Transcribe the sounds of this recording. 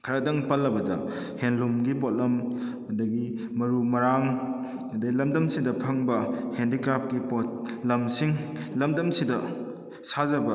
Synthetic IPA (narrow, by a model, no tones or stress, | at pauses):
kʰɐɾɐdɐŋpɐlːɐbɐdɐ | henlumɡipot̚lɐm | dɐɡi | mɐɾumɐɾaŋ | ɐdɐɡilɐmdɐmsidɐpʰɐŋbɐhendikɾap̚kipot̚lɐmsiŋlɐmdɐmsidɐ | sazɐbɐ